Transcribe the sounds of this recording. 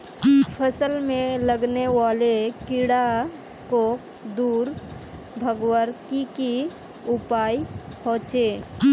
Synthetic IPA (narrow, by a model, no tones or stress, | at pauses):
pʰəsəlmẽləɡnewaːlekɪɽa | kok | d̪uːɾ | bʱəɡwəɾkiki | ʊpaːipɔ̃ːt͡ʃeː